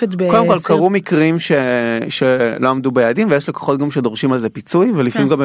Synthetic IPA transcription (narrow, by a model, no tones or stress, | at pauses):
ebkodemkolkaʁumikʁimʃeʃeloamdubejaːdimvejeʃleko̥χo̞t̚ɡamʃedo̞ʁʃimalzepit͡sujvelifamimɡam